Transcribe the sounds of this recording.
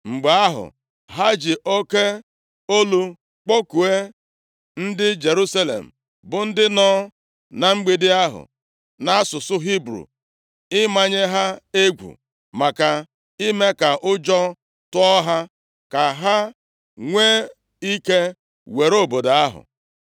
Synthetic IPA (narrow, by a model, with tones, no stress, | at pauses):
ŋ͡m̩˨ɡ͡ba˦ɦʊ̰˨ | ɦa˦d͡ʒɪ˨ʔo˦ke˦ | o˦lu˦ | k͡po˦ku˨e˦ | n̩˦dɪ˦d͡ʒe˨ɾu˦sa˦lḛ˨m̩˨ | bʊ˨n̩˦dɪ˦nɔː˦ | na˨ŋ͡m̩˦ɡ͡bi˦dɪ˦a˦ɦʊ̰˨ | na˦a˦sʊ˨sʊ˦ɦi˦bɾṵ˨ | ɪ˦ma˦ɲe˦ɦa˦e˦ɡʷṵ˨ | ma˨ka˨ | i˦me˦ka˨ʔʊ˦d͡ʒɔ˦ | tʊ˦ɔ˦ɦa˦ | ka˨ɦa˦ | ŋʷeː˦ | i˦ke˦ | we˨ɾo˦˨bo˨da˨a˦ɦʊ̰˨